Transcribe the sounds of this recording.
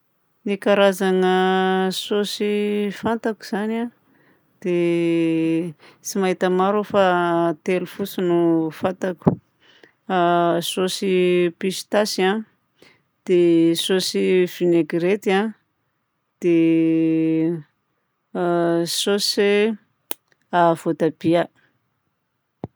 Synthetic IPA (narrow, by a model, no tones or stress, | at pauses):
nikaɾazaŋəsosifant̪aku̥z̥ana | d̪̥e | t͡simaɦit̪əmaɾofat̪elufusunufant̪aku̥ | sosipisi̥t̪asa | d̪̥esosiv̥ineɡɾet̪ia | d̪̥e | sose | avot̪ab̥ia